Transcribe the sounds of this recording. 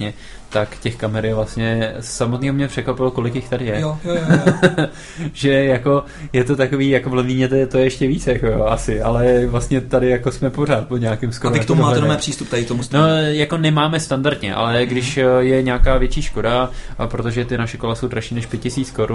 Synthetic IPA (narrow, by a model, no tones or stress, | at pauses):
ɲɛ | t̪akcɛxkamɛɾɪvlast̪ɲɛsːamot̪niːɦomɲɛpr̥ɛkvapɪloko̞lɪkjɪxt̪adɪjɛoj | ʒɛjako̞ | jɛt̪o̞t̪ako̞viːjakovlɛmiːmɲɛt̪ɛt̪ojɛɛʃcɛvit͡sjako̞joʔasɪalɛvlast̪ɲɛt̪adɪjako̞smɛpo̞r̝aːt̪̚poɲɛakɪmskoɾɪkt̪omumaːt̪ɛnomɛːpr̥iːst̪upt̪aɪkt̪omusnojako̞nɛmaːmɛst̪andaɾt̪ɲɛ̰ʔa̰lɛɡdɪʃjɛɲaːkaːvjɛt͡ʃiːʃko̞dapɾo̞t̪oʒɛt̪ɪnaʃɛko̞laso̞wd̪ɾaʃiːnɛʃpjɛtcɪsiːt͡sko̞ɾu